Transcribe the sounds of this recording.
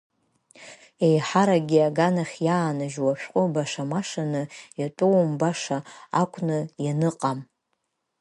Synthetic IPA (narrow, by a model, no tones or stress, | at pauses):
e̞jħaɾaɡʲiaɡanaχʲjaːnaʒwaʃᶣqʷʼʊbaʂamaʂanɨjatʷʼuwmbaʂaakʷʼʰnɨjanɨqʼam